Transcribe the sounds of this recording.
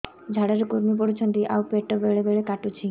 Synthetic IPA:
d͡ʒʱaɽaɾkuɾmip̬ɔɽut͡ɕʰɔnt̪iʔa̰wpeʈɔbeɭebeɭekaʈut͡ʃʰi

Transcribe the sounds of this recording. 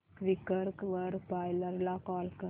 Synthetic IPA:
kʋikːɐɾkʋɐɾpajlɐɾlaːkaːlkɐ

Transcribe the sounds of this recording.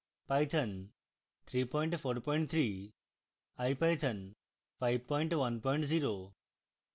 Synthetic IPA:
pajt̪ʰən | t̪ʰɾipɔiɳʈfʰoːɾpɔiɳʈt̪ʰɾi | ajpajt̪ʰən | fʰajʋ̚pɔiɳʈʋɐnpɔiɳʈziːɾo

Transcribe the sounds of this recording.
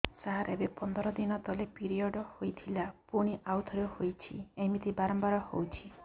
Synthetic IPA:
saɦaɾebepɔnd̪ʱɔɾɔd̪inɔt̪ɔlepiɾiɔɖɔhojt̪ʰilapuɽ̃iʔawt̪ʰɔɾjɔhojt͡ʃʰḭemit̪ʰibaɾɔmbaɾɔhowt͡ʃʰi

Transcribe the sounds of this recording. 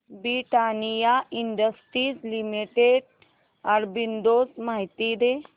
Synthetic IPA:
bɾiʈanijaʔiɳɖəsʈɾiːzlimiʈeɽ | aɾbind̪oːsmaɦit̪id̪e

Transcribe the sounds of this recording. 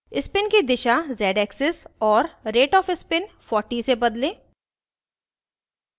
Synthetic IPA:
ɪspɪnkid̪ɪʃazɛːɖɛːksɪsɔːɾɾeːʈɔːfɪspɪnfɔːɾʈisebɐd̪lẽː

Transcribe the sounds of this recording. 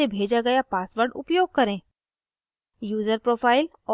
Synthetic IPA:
ebʱeːd͡ʒaɡɐjapaːsʋəɾɖʊ̰pjoːɡ̚kɐɾẽː | juːzəɾpɾoːfʰaːɪl | ɔː

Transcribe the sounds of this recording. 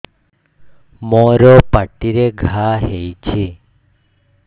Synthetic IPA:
mɔɾɔpaʈiɾeɡʱaɦejt͡ʃʰe

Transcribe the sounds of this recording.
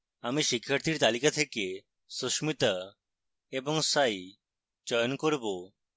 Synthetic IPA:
amiʃikʰːaɾt̪ʰiɾt̪alikat̪ʰeke | sosmit̪a | ebɔŋsaj | d͡ʒɔjonkoɾbo

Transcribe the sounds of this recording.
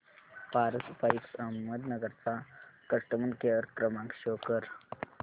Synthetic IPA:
paːɾɐspɐɾiksɐməd̪nɐɡəɾt͡sakɐʂʈəmɐnkeɾkɾəmãŋkɕoːkəɾ

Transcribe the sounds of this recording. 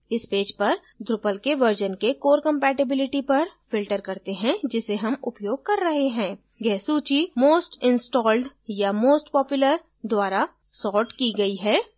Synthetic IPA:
ɪspeːd͡ʒpɐɾ | d̪ɾʊpəlkeʋəɾd͡ʒənkekoːɾkɐ̃mpɛːʈɪbɪlɪʈipɐɾfɪlʈəɾkɐɾt̪eɦɛ̃d͡ʒɪseɦɐmʊpjoːɡ̚kɐɾːɐɦeɦɛ̃ː | ɡɛːɦsuːt͡ʃimoːsʈɪ̃nsʈɔːlɖjamoːsʈpɔːpjʊləɾ | d̪waːɾa | sɔːɾʈkiɡɐiɦɛː

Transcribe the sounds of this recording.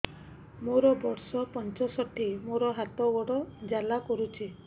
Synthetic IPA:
moɾɔbɔɾsɔpɔnt͡ʃɔsɔʈʰimoɾɔɦat̪ɔɡɔɽɔd͡ʒalakɔɾut͡ʃʰi

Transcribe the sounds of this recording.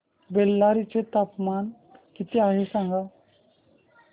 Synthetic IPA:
belːaɾit͡set̪apman | kit̪eaɦesãŋɡa

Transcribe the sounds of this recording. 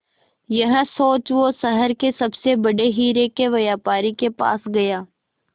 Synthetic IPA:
jɐɦsoːt͡ʃʋosəɦəɾkesɐbsebɐɽeɦiːɾekeʋɐjaːpaːɾikepa̰ːsɡɐjaː

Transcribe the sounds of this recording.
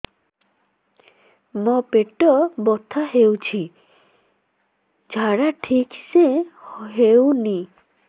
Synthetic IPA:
mɔpeʈɔbɔt̪ʰːaɦewt͡ʃʰi | d͡ʒʱaɽaʈʰikseɦewni

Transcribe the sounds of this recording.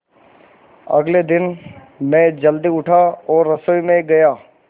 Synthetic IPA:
ɐ̰ɡled̪ɪn | mɛ̃d͡ʒɐld̪iʊʈʰaɔːɾːɐsoːjmẽɡɐjaː

